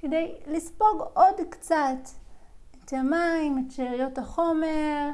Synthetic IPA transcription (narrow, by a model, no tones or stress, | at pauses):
kedejlispo̞ɡodkt͡satet̪amaimett͡ʃeʁijo̞taχo̞meʁ